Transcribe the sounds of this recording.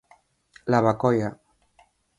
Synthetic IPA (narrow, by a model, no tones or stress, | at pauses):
laβakɔja